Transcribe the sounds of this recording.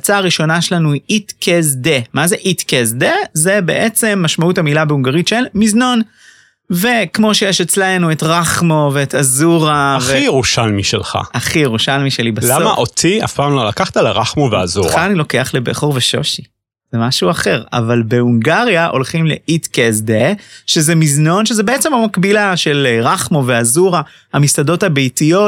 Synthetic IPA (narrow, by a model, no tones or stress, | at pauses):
t͡saːʁiʃo̞naʃelanuiʔitkʰezdemazeʔitkezd̪eze̞be̞̰ʔet͡se̞mːaʃmauthamilabeuŋɡaʁitʃelmizno̞n | ve̞kmo̞ʃejeʃet͡slenuetʁaχmoveːtazuʁaavχijeʁuʃalmiʃḛlχa̰ʔaχijeʁuʃalmiʃelibalamaʔʔot̪ʰia̰fpaːmlolakaχt̪alaʁaχmovea̰zṵχaːnilo̞ke̞aχlebḛχoʁveʃo̞̰ʃi | z̥emaʃuaχe̞ʁa̰valbe̞uŋɡaʁijaʔo̞̰lχimleʔitkezdeʃezemizno̞nʃezebeet͡se̞mamakbilaʃelʁaχmoveazuʁa | hamisado̞thabejtijo̞t